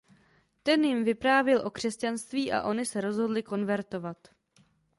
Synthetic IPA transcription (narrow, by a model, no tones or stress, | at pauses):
t̪ɛnjɪmvɪpɾaːvjɛlʔo̞kr̝̥ɛscanst̪viːʔa̰ʔo̞nɪsɛɾo̞zɦo̞dlɪko̞nvɛɾt̪o̞vat̪